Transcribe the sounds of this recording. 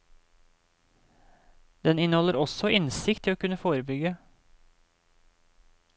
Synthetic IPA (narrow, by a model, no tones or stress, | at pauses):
d̪̥ɛnɪnhɔləɾɔsɔʔɪnsɪkt̪ʰɪoːkʉnəfoːɾəbʏɡə